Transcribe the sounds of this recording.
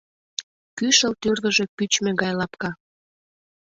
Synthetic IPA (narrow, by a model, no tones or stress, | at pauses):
kyʃəlt̪ørɣə̆ʒepyt͡ɕmĕɣɑjlɑpkɑ